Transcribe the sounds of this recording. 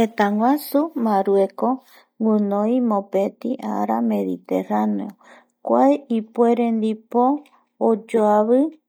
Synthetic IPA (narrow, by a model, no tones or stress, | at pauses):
het̪aŋwʷasumãɾueko | ŋunõjmõpet̪iʔa̰ɾa̰me̞ðḭt̪ḛɾaneo | kʷaeipweɾend̪ipoː | d͡ʒoaβɨ